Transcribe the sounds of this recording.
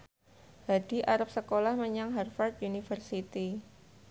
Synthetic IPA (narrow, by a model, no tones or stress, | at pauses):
hadi̤ʔaɾap̚səkolahməɲaŋɦarfart̪̚junifərsit̪i